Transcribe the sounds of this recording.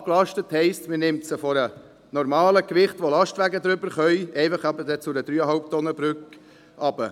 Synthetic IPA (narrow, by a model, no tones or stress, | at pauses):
klɑʃtəthɛɪstmɪnɪmtsəfɔɾə | nɔɾmɑːləkʋɪχtʋolɑʃtʋæɡəd̪ɾʏbəɾχœjʔɛɪfɑχɑbədɛt͡sʊdəd̥̪ɾyːəɦɑlp̚tɔnəbɾʏk | ʔɑb̥ə